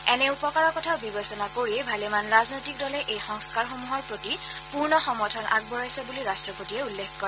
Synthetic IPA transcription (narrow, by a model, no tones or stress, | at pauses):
ɛnɛupɔkaɹɔkɔtʰaʊbibɔsɔnakoɹibʱalɛmanɹaznojtik̚dɔlɛʔejxɔŋskaɹxomuɦɔɹpɹoti | puɹnɔxɔmɔtʰɔnʔa̰ɡ̚bɔɹajsɛbuliɹastɹɔpotiɛulːekkɔɹɛ